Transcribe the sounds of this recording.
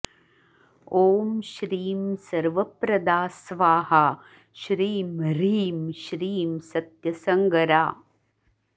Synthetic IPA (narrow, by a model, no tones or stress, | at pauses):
oːmʃɾiːmsɐɾʋɐpɾɐd̪aːsʋaːɦa | ʃɾiːmɾiːmʃɾiːmsɐt̪jɐsɐŋɡɐɾaː